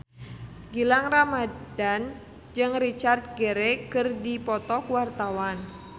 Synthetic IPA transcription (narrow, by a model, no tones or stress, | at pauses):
ɡilaŋramadan | d͡ʒɨŋrit͡ʃart̪̚ɡeɾekɨrdipɔt̪ɔkwart̪awan